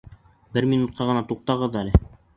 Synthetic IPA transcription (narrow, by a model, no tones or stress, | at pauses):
bɘɾmʲinut̪̚qʰɑʁɤ̆nɑt̪uq̚t̪ɑʁɤðælɘ